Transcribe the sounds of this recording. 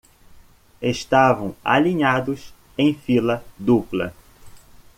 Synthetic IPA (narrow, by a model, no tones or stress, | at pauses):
eʃt̪avɐ̃w̃a̰liɲad̪ʊs | ẽj̃filɐd̪uplɐ̰